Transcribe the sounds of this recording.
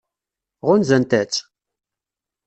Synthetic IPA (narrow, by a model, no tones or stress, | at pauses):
ʁʊnzænt̪æt͡sː